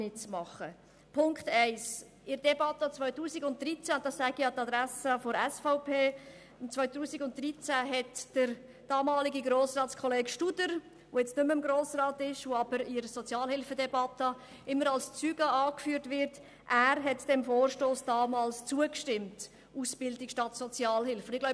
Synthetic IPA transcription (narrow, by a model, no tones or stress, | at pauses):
nɪt͡smɑχə | pʰʊŋkχtɛɪs | ɪɾd̥ɛbɑtət͡svœʏtuːsiɡʊnt̚d̥ɾit͡sænd̥ɑssɛɡijɑːtɑdɾæsəfɔɾɛsfaʊpʰeː | nt͡sʋœʏtuːsiɡʊnt̚d̥ɾit͡sæɦɛtd̥əɾ | d̥ɑːmɑːliɡiɡɾoːsrɑːtt͡skʰɔleːɡʃtudəɾ | ʋoːjɛt͡stnʏməɪmɡɾoːsrɑːtɪʃʋoɑbəɾɪɾsɔt͡sjɑːlhɪlfədɛbɑtə | ɪmːəɾɑlst͡syːɡəɑːkfyːəɾtvɪɾt | ʔæːɾɦɛtd̥ɛmfoːrʃtoːsd̥ɑːmɑːlst͡suəkʃtɪmt | usb̥ɪldɪkʃtɑtsɔt͡sjɑːlhɪlfəʊndɪɡ̥laʊ